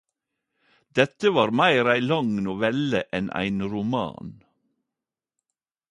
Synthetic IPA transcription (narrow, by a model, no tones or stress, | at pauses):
d̪̥ɛt̪əʋɑːɾmæɪɾæɪlɑŋnʊʋɛləʔɛnʔæ̰ɪnɾʊmɑ̰ːn